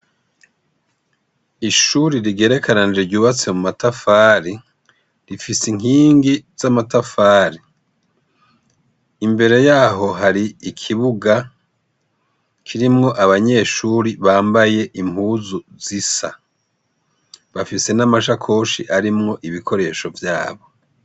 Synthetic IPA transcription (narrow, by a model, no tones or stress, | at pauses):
iʃuɾiɾiɡe̞ːɾe̞kʰananid͡ʒeɾɟuːβat͡semumatafaːɾi | ɾifisiŋiːŋɡiz̥amatafaːɾi | imbe̞ɾe̞jaːɦo̞ɦaɾiikʰiβuɡa | kʰiɾimŋo̞ʔaβaɲe̞ʃuːɾiβaːmbaje̞ʔimuːzuzisa̰ | βafise̞namaʃakʰo̞ːʃḭʔaɾimŋo̞ʔiβikʰo̞ɾe̞ʃo̞vjaːβo̞